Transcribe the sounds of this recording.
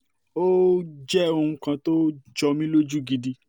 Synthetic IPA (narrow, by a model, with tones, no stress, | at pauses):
o˦d͡ʒɛ˦o˧ũ˧˦kã˧to˦d͡ʒɔ˧mĩ˦lo˦d͡ʒu˦ɡi˧di˧